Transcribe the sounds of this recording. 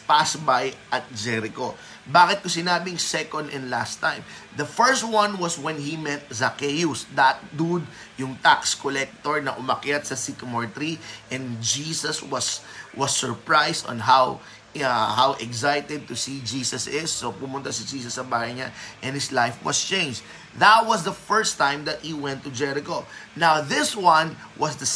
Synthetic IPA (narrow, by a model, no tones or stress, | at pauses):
pasbajʔɐt̪̚d͡ʒɛɾɪko | baːkɪt̪̚kʊsɪnaːbɪŋsɛkɔnd̪ɛ̃nd̪last̪ːãjmd̪ɐfɛɹst̪̚wɐ̃nwɐswɛ̃nhimɛt̪̚zɐkɛjusd̪at̪̚d̪ud̪̚ | jʊŋt̪akskolɛk̚t̪oɹnɐʔʊmɐkjat̪̚sɐsikmɔɹt̪ɾiʔɛ̃nd̪d͡ʒisɐswɐswɐsːɔɹpɹajst̪ɔ̰̃nɦaw | hawʔɛɡsajt̪ɛd̪̚t̪ʊsid͡ʒiːsɐsɪsːopʊmʊ̃nt̪asid͡ʒiːsɐsːɐbaːhɐjɲaʔɛ̃nhɪslajfwɐ̰st͡ʃẽɪ̃nd͡ʒ | ðɐt̪̚wɐsd̪ɐfɛɹst̪ãjmd̪ɐt̪̚hiwɛ̃nt̪ːʊd͡ʒɛɾɪkonawðɪswɐ̃n | wʔɐsd̪ɐ